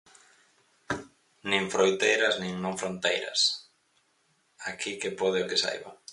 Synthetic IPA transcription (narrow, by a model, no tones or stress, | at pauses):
nĩŋfɾojt̪ejɾɐznĩŋnõɱfɾont̪ejɾɐ̰s | akʰikepoð̞ɪʊkɪsa̰jβa̰